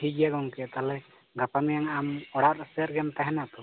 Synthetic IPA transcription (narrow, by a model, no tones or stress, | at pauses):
hid͡ʒjaɡɔŋkɛt̪alɛ | ɡapamijaŋamɔɽaɾsɛɾɡɛmt̪aɦɛnat̪ɔ